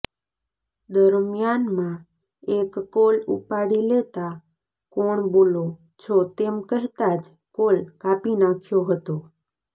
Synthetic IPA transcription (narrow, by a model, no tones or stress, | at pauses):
d̪əɾmjanmã | ekːolṵpaɽilet̪a | koɳbolo | t͡ʃʰot̪emkəɦt̪ad͡ʒ | kolkapinãkʰjoɦət̪o